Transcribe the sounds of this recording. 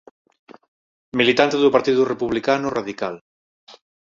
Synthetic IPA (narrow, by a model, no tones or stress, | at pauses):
milit̪ant̪eðʊpaɾt̪iðurepuβlikanʊraðikal